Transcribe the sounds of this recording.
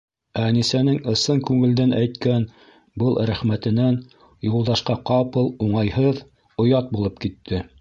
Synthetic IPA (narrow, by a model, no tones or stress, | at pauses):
ænisænɘŋɤ̆sɤŋkʉŋɘ̆ld̪ænʔæjt̪kæn | bɤlˠɾæχmæt̪ɘ̆næn | julˠd̪ɑʃqɑqɑpɤlˠuɴɑjhɤð | ŏjɑt̪̚bulˠɤpkit̪ʰːɘ